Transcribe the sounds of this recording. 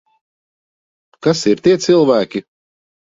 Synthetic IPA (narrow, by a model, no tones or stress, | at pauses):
kasiɾt̪iɛsɨlˠvæːkʲi